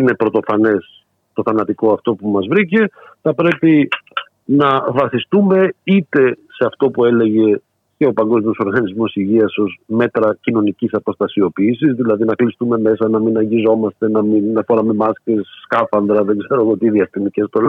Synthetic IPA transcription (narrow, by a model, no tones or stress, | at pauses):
ine̞pɾo̞t̪o̞fɐne̞s | t̪o̞θɐnɐt̪iko̞ɐft̪o̞pumɐzvɾice̞θɐpɾe̞pi | nɐvɐθist̪ume̞it̪e̞se̞ɐft̪o̞pue̞le̞ʝe̞ | ce̞opɐŋɡo̞zmio̞so̞ɾɣɐnizmo̞siʝiɐso̞zme̞t̪ɾɐcino̞nicisɐpo̞st̪ɐsio̞piːsizðilɐðinɐklist̪ume̞me̞sɐnɐminɐɲɟizo̞mɐst̪e̞nɐminɐfoɾɐme̞mɐsce̞sːkɐfɐnd̪ɾɐðeɡze̞ɾoɣoot̪iðiɐsinicest̪ol